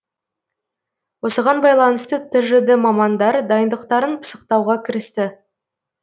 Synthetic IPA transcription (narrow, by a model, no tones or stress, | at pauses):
wo̞səʁɑnbɑjlˠɑnəst̪ət̪ʰɵɾʒɪd̪ɪmɑmɑnd̪ɑɾd̪ɑjənd̪əq̚t̪ɑɾənpʰə̥sə̥qt̪ɑwʁɑkʲʰɪɾɪst̪ɪ